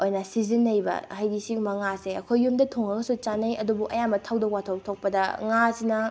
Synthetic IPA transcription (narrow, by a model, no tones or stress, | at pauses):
ojnɐsizinɐjbɐ̰hajdisiŋmɐŋaseɐkʰojːumdɐtʰoŋɐɡɐsut͡ʃanɐjɐdubuʔɐjamɐtʰawdɐwkwatʰotʰok̚pɐdɐŋasinɐ